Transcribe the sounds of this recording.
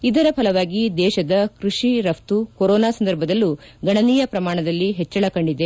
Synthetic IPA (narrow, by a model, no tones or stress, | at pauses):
id̪ɐɾɐpʰɐlɐʋaːɡid̪ɛːʃɐd̪ɐkɾuʂiɾɐft̪ukoɾɔːnaːsɐnd̪ɐɾbʱɐd̪ɐlːu | ɡɐɳɐniːjɐpɾɐmaːɳɐd̪ɐlːiɦet͡ʃːɐɭɐkɐɳɖid̪e̞